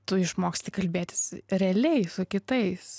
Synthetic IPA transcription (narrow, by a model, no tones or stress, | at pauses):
t̪ʊɪʃmoːksʲt̪ʲɪkɐlʲbʲeːt̪ʲɪ̥sɾʲɛɐlʲɛɪsʊkʲɪt̪ɐɪs